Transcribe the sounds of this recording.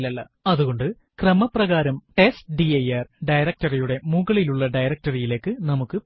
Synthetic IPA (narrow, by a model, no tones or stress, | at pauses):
lɐɭːɐ | ɐðuɣo̞ɳɖɨ | krɐmɐprɐɣaːɾɐmʈe̞stɖiɐjɐrɖɐjɾɐk̚tɐrijuɽe̞muɣɐɭiluɭːɐɖɐjɾɐk̚tɐrijile̞ːkːɨnɐmukːɨ